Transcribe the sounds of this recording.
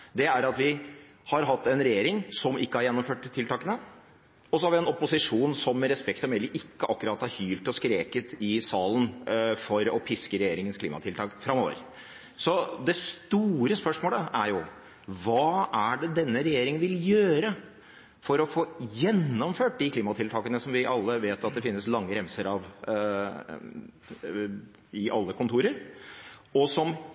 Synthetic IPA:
d̪ɛæɾɑt̪ʋɪ | hɑɾɦɑt̪ːɛnɾɛjeːɾɪŋsɔmɪkːəhɑɾjɛnːɔmføːʈt̪ʰːɪlt̪ʰɑːkənə | ɔsɔhɑɾʋɪɛnɔpːʊsɪʂuːnsɔmːɛɾɛspɛkt̪ɔmɛlɪʔɪkːəʔɑkːʉɾɑt̪hɑɾhyːlt̪ɔskɾeːkət̪ɪsɑːlənfɔɾɔpʰɪskəɾɛjeːɾɪŋənskʰlḭːmɑt̪ʰɪlt̪ʰɑːkfɾɑmːo̰ːʋə̰ɾ | sɔd̪ɛst̪uːɾəspœʂmoːləʔæɾjʊ | ʋɑːæɖɛd̪ɛnːəɾɛjeːɾɪŋənʋɪljøːɾə | fɔɾɔfoːjɛnːɔmføːʈ̚d̪ɪkliːmɑt̪ʰɪlt̪ʰɑːkənəsɔmʋɪʔɑlːəʋeːt̪ɑt̪̚d̪ɛfɪnːəslɑŋːəɾɛmsəɾɑʋ | ɪʔɑlːəkʰʊnt̪ʰuːɾəɾ | ɔsɔm

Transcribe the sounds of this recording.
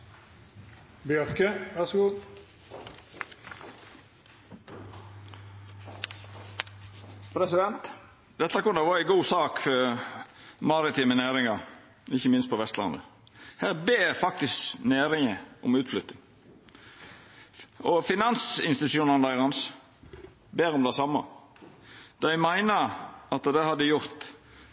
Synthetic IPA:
bjœʁkəʋæʁsɡuː | pʰɾɛsɪd̪ɛnt̪ | d̪ɛt̪ːəkʊnəʋɑːɾɪɡuːsɑːkfɔɾ | mɑɾɪt̪iːmənæːɾɪŋɑɾ | ɪçːəmɪnst̪̚pʰɔʋɛst̪lɑ̰nd̪ə̰hæːɾbeːɾfɑk̚t̪ɪskneːɾɪŋəʔʊmʉːt̪flʏt̪ːɪŋ | ɔfɪnɑnsɪnst̪ɪt̪ʉʃuːnɑnd̪æɪɾɑns | beːɾɔmd̪æɪsɑmːɑ̰ | d̪̥ɑæɪmæɪnəɾɑt̪d̪ɛhɑd̪əjʊʁt̪

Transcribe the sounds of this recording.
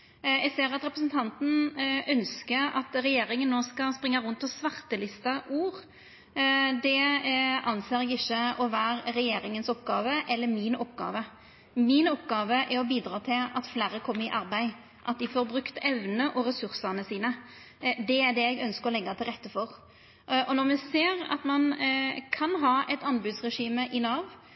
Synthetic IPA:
ɛɡseːɾɑt̪ɾɛpɾəsn̩t̪ʰɑnt̪n̩œnskəɾɑt̪ɾɛjeːɾɪŋənːoːskɑspɾɪŋːɑɾʉnt̪ɔsʋɑɾt̪əlɪst̪ɑʔuːɾ | d̪ɛɑnseːɾɛɡɪçːəɔʋæːɾɾɛjeːɾɪŋənsɔpɡɑːʋəʔɛlːəɾmɪnɔpɡɑ̰ːʋə | mɪnɔpɡɑːʋəʔɛɾɔbiːd̪ɾɑːt̪ʰɪlɑt̪flæːɾəkʰɔmːəɪʔɑɾbæɪ | ʔɑt̪̚d̪ɪfoːɾbɾʉkt̪ɛʋnəʔɔɾɛsʉɾsɑnəsiːnə | d̪ɛæd̪ɛɛɡœnskəɾɔlɛɡːɑt̪ʰɪlʁɛt̪ːəfɔʁ | ʔɔnɔɾmɛseːʁɑ̰t̪mɑnkʰɑnɦɑːʔɛt̪ɑnbʉːd̪sʁɛʂiːməʔɪnɑːʋ

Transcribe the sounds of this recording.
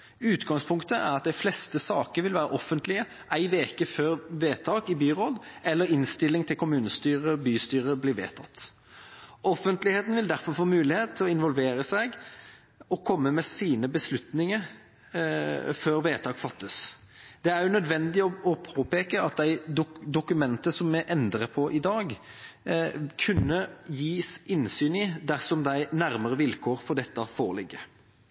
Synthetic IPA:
ʉːt̪ɡɑŋspʰʊŋkt̪əʔæ̰ʁɑt̪̚d̪æɪflɛst̪əsɑːkəʋɪlʋæːɾəʔɔfːənt̪ʰlɪə | ʔæɪʋeːkəføːɾʋeːt̪ʰɑːkɪbyːɾoːd̪ɛlːəɾɪnst̪ɪlːɪŋt̪ʰɪlkʰʊmʉːnəst̪yːʁəbyːst̪yːɾəblɪʋḛːt̪ʰɑt̪ː | ɔfənt̪lɪheːt̪n̩ʋɪld̪æɾfɔɾfoːmʉːlɪheːt̪ʰːɪlɔɪnʋɔlʋeːɾəsæɡ | ɔkʰɔmːəmɛsiːnəbəslʉt̪nɪŋəɾ | føːɾʋeːt̪ʰɑːɡfɑt̪ːəs | d̪̥ɛæɾjʊnœd̪ʋɛnd̪ɪɔɔpʰoːpeːkəɑt̪̚d̪æɪd̪ʊd̪ʊkʉmɛnt̪əsɔmːɛʔɛnd̪ɾəpʰɔʔɪd̪ɑːɡ | kʰʉnːəjiːsɪnsyːnid̪æʁsɔmd̪æɪnæɾməɾəʋɪlkʰoːɾfɔʁɖ̪ɛt̪ːəfoːɾəlɪɡːə

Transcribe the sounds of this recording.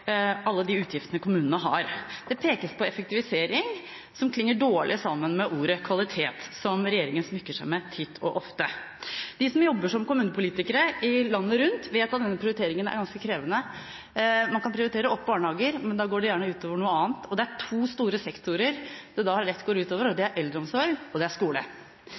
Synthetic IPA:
ɑlːəd̪ɪʉːt̪ʰjɪft̪ənəkʰʊmʉːnənəɦɑ̰ɾd̪̥ɛpʰeːkəspʰɔɛfək̚t̪ɪʋɪseːɾɪŋ | sɔmkʰlɪŋːəɖoːɭʔɪ̰sɑmːənmɛʔuːɾəkʰʋɑlɪt̪ʰeːt̪sɔmɾɛjeːɾɪŋənsmʏkːəʂæɪmɛt̪ʰɪt̪ʰːɔ̰ʔɔft̪ə | d̪̥ɪsɔmjɔbːəʂɔmkʊmʉːnəpʊliːt̪ɪkəɾəɪlɑnːəɾʉnt̪ʋeːt̪ɑt̪̚d̪ɛnːəpʰɾɪʊɾɪt̪ʰeːɾɪŋənæ̰ɾɡɑnskəkʰɾeːʋənə | mɑnkɑnpʰɾɪʊɾɪt̪eːɾəɔpːbɑːɳhɑːɡəɾmɛnd̪ɑɡoːɖɛjæːɳəʉːt̪oːʋəɳuːəɑːnt̪ʰɔd̪ɛæʈʰuːst̪uːɾəsɛkt̪ʊɾəɾd̪̥ɛd̪ɑːhɑɾɛt̪ːɡoːɾʉːt̪oːʋəɾɔd̪ɪæɾʔɛld̪ɾəɔmsɔɾɡɔd̪ɛæʂkuːlə̰

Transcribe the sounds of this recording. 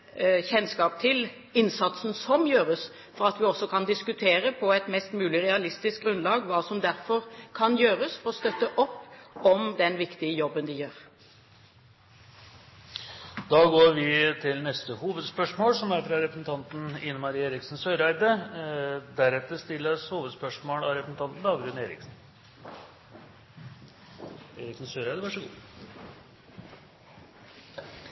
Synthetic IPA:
çɛnskɑːp̚t̪ʰɪl | ɪnsɑt̪sn̩sɔmjøːɾəs | fɔɾɑt̪ʋɪɔsːɔkʰɑnd̪ɪskʉt̪ʰeːɾəpʰɔɛt̪mɛst̪mʉːlɪʁɛɑlɪst̪ɪsk̚ɡɾʉnlɑːɡʋɑːsɔmd̪æɾfɔɾkʰɑnjøːɾəsfɔɾɔst̪œt̪ːəʔɔpːɔmd̪ɛnʋɪkt̪ɪəjɔbːənd̪ɪjøːɾ | d̪ɑːɡoːɾʋɪt̪ʰɪlnɛst̪əhuːʋəd̪spœʂmoːlsɔmæɾfɾɑɾɛpɾəsn̩t̪ʰɑnt̪n̩ɪnːəmɑɾiːeːɾɪksn̩søʏɾæɪd̪ə | d̪æɾɛt̪ːəɾʂt̪ɪlːəshuːʋəd̪spœʂmoːlɑɾɛpɾəsn̩t̪ʰɑnt̪n̩d̪ɑːɡɾʉneːɾɪ̰ksn̩ | eːɾɪksn̩søːɾæɪd̪əʋɑʂəɡṵ

